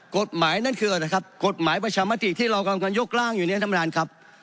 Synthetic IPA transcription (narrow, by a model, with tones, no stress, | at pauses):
ko˨˩t̪̚maː˩˦jna˦˥˩nkʰɯː˧˩ʔa˨˩la˨˧jkʰa˦˥p̚ko˨˩t̪̚maː˨˩˦jpa˧t͡ɕʰaː˧maː˦˥t̪i˨˩t̪ʰiː˥˩ɾa˧wka˧mŋka˧njo˦˥˩k̚laː˥˩ŋjuː˨˩i˦˥˦t̪ʰa˧m˧aː˧nkʰa˦˥p̚